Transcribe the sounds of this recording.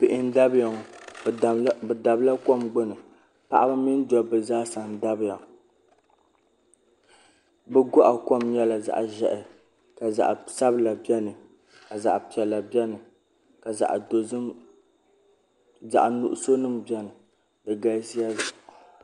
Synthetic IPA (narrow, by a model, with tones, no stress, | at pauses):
pɪ˨ʔɪ˨n˦da˦bja˨ŋ˨ | bɛ˨da˨bla˦ko˦mɡ͡bʊ˦nɨ˨ | pa̰˨ʔa˦bɨ˦mi˦n˦dɔ˨bɨ˨zaː˦sa˨n˨da˦bja˨ | bɛ˦ɡɔ˦ʔa˨ko˦mɲɛ˦la˨za̰˨ʔʒɛ˨ʔɪ˨ | ka˨za̰˨ʔsa˦bɨ˦la˨bi˦ɛ˦nɨ˨ | ka˨za̰˨ʔpi˨ɛ˨lːa˨bɛ˦nɨ˨ | ka˨za̰˨ʔdo˨zɨ˦m | za̰˨ʔnṵ˦ʔʊ˦so˦nɨ˦mbi˦ɛ˦nɨ˨ | dɨ˨ɡa˦si˦a˦za˨ʔ